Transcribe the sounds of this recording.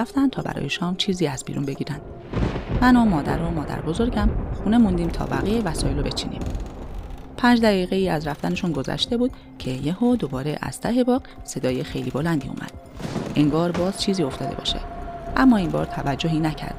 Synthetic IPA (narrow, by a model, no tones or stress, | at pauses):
æft̪ænt̪ʰɒːbæ̰ɾɒ̰ːjeʃɒːmt͡ʃʰiːziːæzbḭːɾṵnbe̞ɟiːɾænd̥̪ | mænomɒːd̪æ̰ɾomɒːd̪æ̰ɾbo̞zo̞ɾɟæmxune̞mund̪iːmt̪ʰɒ̰ːbæɣijevæsɒːjelobe̞t͡ʃʰḭːnḭːm | pʰæːnd͡ʒd̪æʁiːɣe̞iːæzɾæft̪æne̞ʃunɡo̞zæ̰ʃt̪e̞buːd̪̥ | cʰe̞jehod̪obɒːɾe̞ʔæ̰z̥t̪ʰæɦe̞bɒːɢse̞d̪ɒːjexejliːbo̞lænd̪ḭːṵːmʔæ̰d̪̥̚ | ʔeŋɡɒːɾbɒːz̥t͡ʃʰiːziːo̞ft̪ɒːd̪e̞̰bɒ̰ːʃḛd̪̥ʔæmːɒːinbɒ̰ːɾt̪ʰævæd͡ʒːo̞ɦiːnæcʰæ̰ɾd̪̥